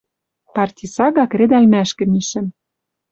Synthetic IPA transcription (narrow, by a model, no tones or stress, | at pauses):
pɑrtʲisɑɣɑkred̪ælmæʃkɘ̆miʃɘ̆m